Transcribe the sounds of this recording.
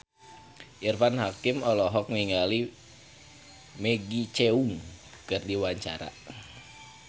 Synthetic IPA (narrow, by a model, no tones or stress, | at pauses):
ʔirfanhakɪmɔlɔɦɔk̚niŋɡali | mɛɡit͡ʃɛuŋ | kɨrdiwaɲt͡ʃa̰ɾa̰